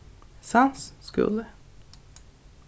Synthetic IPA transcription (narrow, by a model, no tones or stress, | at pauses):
sansskʉ̰lə